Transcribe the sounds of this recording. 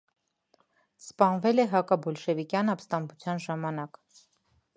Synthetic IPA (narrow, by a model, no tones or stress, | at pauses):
spɑnvɛlɛɦɑkɑbɔlʃɛvikjɑnɑpst̪ɑmbut͡sʰjɑnʒɑmɑnɑk